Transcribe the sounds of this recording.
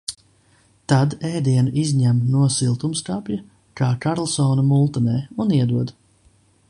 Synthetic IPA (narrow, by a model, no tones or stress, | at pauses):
t̪ad̪ɛːd̪iɛnuʔizʲɲæmnuɔsilˠt̪umskapja | kaːkaɾlˠsɔːnamulˠt̪ɔnɛːuniɛd̪uɔd̪